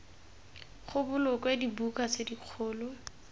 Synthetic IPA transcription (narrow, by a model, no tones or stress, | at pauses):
χʊbʊlʊkwedibukasediq͡χʰʊːlɔ